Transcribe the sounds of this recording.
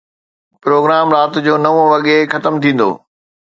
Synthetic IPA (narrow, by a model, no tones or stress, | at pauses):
pɾoːɡɾaːmɾaːt̪d͡ʑoːnɐʋõʋɐɠexɐt̪əmt̪ʰĩːn̆d̪o̰ː